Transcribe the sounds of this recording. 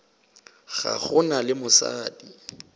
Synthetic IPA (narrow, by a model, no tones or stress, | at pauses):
ɣaχʊnalɪmʊsaːdi